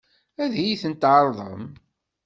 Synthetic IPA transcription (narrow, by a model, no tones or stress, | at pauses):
æðjiθənt̪ʕəɾˤðˤə̰m